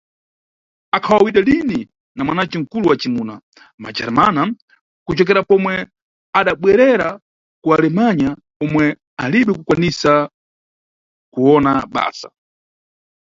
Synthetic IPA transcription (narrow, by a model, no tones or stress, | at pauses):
akʰawawiɗalini | namwanat͡ʃiŋ̩kuluwat͡ʃimuːna̰ | mad͡ʒa̰ɾmana | kut͡ʃɔk̬ɛɾapɔmwɛ | aɗaɓwɛɾɛɾa | kualɛmaɲa | ɔmwɛ | aliɓɛkukwanisa | kuɔnaɓa̰ːsḁ̰